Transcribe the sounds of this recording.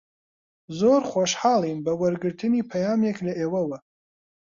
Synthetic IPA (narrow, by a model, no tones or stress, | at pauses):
zoɾχʷoʃħaːlˠinbɐwɐɾɡɨɾt̪ʰɨniːpʰɐjaːmeklɐʔeːwɐwɐ